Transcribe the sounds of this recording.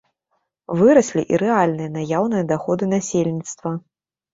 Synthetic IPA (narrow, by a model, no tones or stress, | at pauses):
vɨɾɐsʲlʲḭʔiɾɛalʲnɨjɐnajawn̪ɨjɐd̪axɔd̪ɨnasʲelʲnʲit̪st̪vɐ